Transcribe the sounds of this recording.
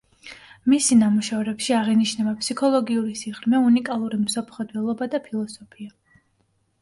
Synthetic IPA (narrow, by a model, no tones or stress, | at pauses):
misinamuʃavɾɛpʃiaʁiniʃnɛbapʰʼsikʰɔlˠɔɡiuɾisiʁɾmɛunikʼalˠuɾimsɔpʰχɔd̪vɛlˠɔbad̪apʰilˠɔsɔpʰia